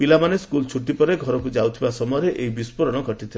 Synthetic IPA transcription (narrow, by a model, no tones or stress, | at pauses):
pilamaneskult͡ʃʰuʈːipɔɾeɡʱɔɾɔkud͡ʒawt̪ʰibasɔmɔjɔɾeʔeibispɔɾɔɽ̃ɔɡʱɔʈit̪ʰil